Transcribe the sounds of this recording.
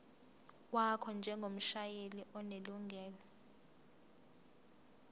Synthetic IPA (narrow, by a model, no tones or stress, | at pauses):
wakʰɔnd͡ʒʱɛŋɡʱom̩ʃajeliʔɔneluŋɡʱɛːlɔ